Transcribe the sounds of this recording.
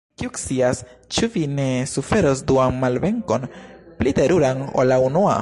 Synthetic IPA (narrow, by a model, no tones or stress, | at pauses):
kiukt͡siast͡ʃuvine̞sufe̞ɾo̞sduanmalve̞ŋko̞nplite̞ɾuɾano̰launua̰